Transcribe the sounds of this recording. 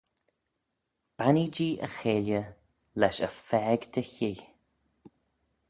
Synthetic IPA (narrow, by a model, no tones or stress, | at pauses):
b̥anid͡ʒiːʔə̰xeːljə | lɛʃəfɛːɡd̪əçij